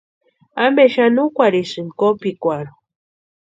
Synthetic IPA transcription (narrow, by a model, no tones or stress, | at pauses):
ambeʃanukʷaɾisɨnkopikʷaɾo